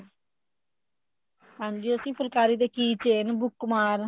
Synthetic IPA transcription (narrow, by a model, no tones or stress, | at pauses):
ɦãːɲd͡ʒiəsĩːpʰʊlkaːɾiːd̪eːkiːt͡ʃeːnbʊkːmaːɾ